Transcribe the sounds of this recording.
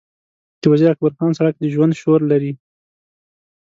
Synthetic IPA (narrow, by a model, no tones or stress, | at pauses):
d̪̥əwaziɾak̚baɾxɑnsaɽak̚d̪əʒwand̪ʃoɾlaɾi